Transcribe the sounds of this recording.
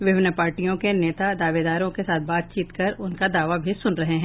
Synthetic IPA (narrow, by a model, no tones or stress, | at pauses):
ʋɪʋnəpaːɾʈijõkeneːt̪ad̪aːʋed̪aːɾõkesaːt̪ʰbaːt̪̚t͡ʃiːt̪kɐɾʊnkad̪aːʋabʱisʊnɾɐɦeɦɛ̃ː